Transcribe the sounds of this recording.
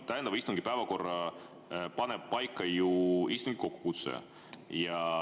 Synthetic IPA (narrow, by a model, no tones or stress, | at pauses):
t̪æjend̪ɑvɑist̪uŋɡ̥i̥pævɑko̞rːɑ | pɑnɛb̚pɑjkːˑɑjuist̪uŋɡ̥iko̞kːu̥kut̪sḛ | jɑ